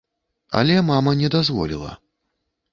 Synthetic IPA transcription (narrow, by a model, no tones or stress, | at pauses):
a̰lʲɛmamɐnʲɛd̪azvɔ̰lʲḭlˠɐ̰